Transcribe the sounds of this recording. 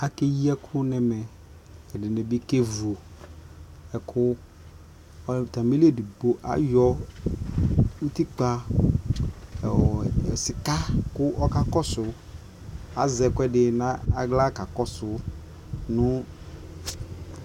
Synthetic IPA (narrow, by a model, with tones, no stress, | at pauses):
a˨ke˦ji˦a˦kʰʊ˦nɛ˨mɛ˨ | ɛ˨dɪ˨nɛ˨bi˦ke˦vu˨o˨ | ɛ˨kʰʊ˦ | t̪a˨mi˦li˦e˦˨di˨ɡ͡bo˦ʔa̰˨jɔ˦ | u˦t̪i˦k͡pa˦˨ | sɪ˨ka˦kʊ˦ʔɔ˦ka˨kɔ˦sʊ˨ | a̰˨zɛ˨kʊ˦ɛ˦dɪ˨nã˦a˨ɡla˦ka˨kɔ˦sʊ˦ | nʊ̃˦